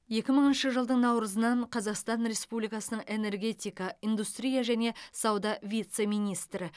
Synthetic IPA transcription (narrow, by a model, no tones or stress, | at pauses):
je̞kʲɪməɴənʃəʒəlˠd̪əɴnɑwɾəzənɑɴqʰɑzɑqst̪ɑnɾʲe̞spublijkɑsənəɴe̞ne̞ɾɡʲe̞t̪ʲijkɑijnd̪ust̪ɾʲijaʒæne̞sɑwd̪ɑvʲijt̪se̞mijnijst̪ɾɪ